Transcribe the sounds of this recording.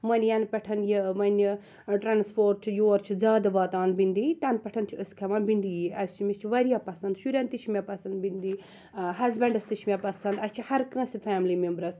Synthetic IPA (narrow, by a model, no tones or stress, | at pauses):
mɐnʲjɐnpʲɐʈʰɐnjimɐnʲ | ʈɾanspʰoːɾ̚t͡ʃʰijoːɾt͡ʃʰizʲaːd̪ɐʋɐt̪aːnbind̪it̪ɐnpʲɐʈʰɐnt͡ʃʰiəskʰɐmɐnbind̪ijiɐst͡ʃʰimist͡ʃʰiʋɐɾijaːpɐsɐnd̪ʃuɾʲɐnt̪it͡ʃʰmʲapɐsɐnd̪bind̪i | ɦɐzbɐ̃ɳɖɐst̪it͡ʃʰmʲapɐsɐnd̪ɐst͡ʃʰihɐɾkə̃sifʰʲaːmlimembɾɐs